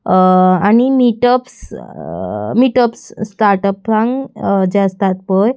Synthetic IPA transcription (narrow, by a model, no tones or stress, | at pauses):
añimiʈəps | miʈəpsːt̪aɾʈəplãŋɡd͡ʑeəst̪at̪̚pəj